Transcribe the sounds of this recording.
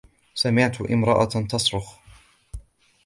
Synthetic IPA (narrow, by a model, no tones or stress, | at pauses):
samɪʕt̪ʔɪ̰mɾˤɑʔa̰t̪ɑsɾʊx